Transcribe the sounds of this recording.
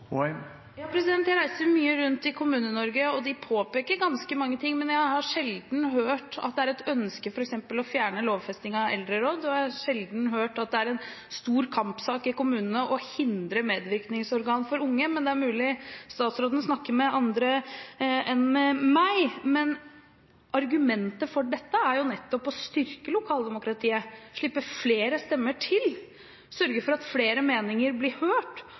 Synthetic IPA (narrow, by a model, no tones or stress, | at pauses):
jɑːpʰɾɛsɪd̪ɛnt̪jæɪɾæɪsəɾmyːəɾʉnt̪ɪkʰʊmʉːnənɔɾɡəɔd̪ɪpʰoːpeːkəɾɡɑnskəmɑŋːət̪ʰɪŋːmɛnjæɪhɑɾʂɛld̪n̩ɦøːʈɑ̰t̪̚d̪ɛæɾɛt̪œnskəfɔɾɛksɛmpəlɔfjæːɳəloːʋfɛst̪ɪŋɑɛ̰ld̪ɾəɾoːd̪ɔɑʂɛld̪nɦøːʈɑt̪̚d̪ɛæɾɛn | st̪uːɾkʰɑmpsɑːkɪkʊmʉːnənəʔɔhɪnd̪ɾəmeːd̪ʋɪɾknɪŋsɔɾɡɑːnfɔɾʊŋːəmɛnd̪ɛæɾmʉːlɪst̪ɑːt̪sɾoːd̪nəsnɑkːəmɛɑnd̪ɾə | ɛnmɛmæɪmɛn | ʔɑɾɡʉmɛnt̪əfɔɖɛt̪ːəæɾjʊnɛt̪ːɔpɔst̪ʏɾkəlʊkʰɑːld̪ɛmʊkɾɑt̪ʰiːəʂɭɪpːəfleːɾəst̪ɛmːəʈʰɪl | sœɾɡəfɔɾɑt̪fleːɾəmeːnɪŋəɾblɪhøːʈ